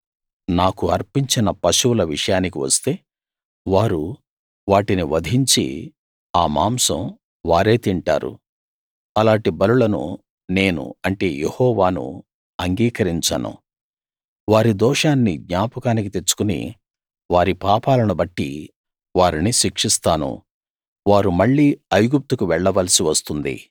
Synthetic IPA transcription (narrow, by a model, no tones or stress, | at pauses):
naːkuɐɾpiɲt͡ʃinɐpɐʃulɐʋiʂɐjaːnik̬iʋɐ̰st̪e̞ː | ʋaːɾu | ʋaːʈiniʋɐd̪ʱiɲt͡ʃḭ | aːma̰ːmsɐ̰m | ʋaːɾe̞ːt̪iɳʈa̰ːɾṵ | ɐlaːɳʈibɐlulɐnṵ | ne̞ːnṵɐɳʈe̞ːjehɔːʋaːnṵ | ɐŋɡiːkɐɾiɲt͡ʃa̰ːnṵ | ʋaːɾid̪ɔːʂaːnːiɡ̪ɲaːpɐkaːnik̬it̪e̞t͡ʃːu̥kunḭ | ʋaːɾipaːpaːlɐnubɐʈːḭ | ʋaːɾiniʃikʂist̪aːnṵ | ʋaːɾumɐɭːiːɐjɡup̚t̪ukuʋɛɭːɐʋɐlɐsiʋɐst̪und̪ḭ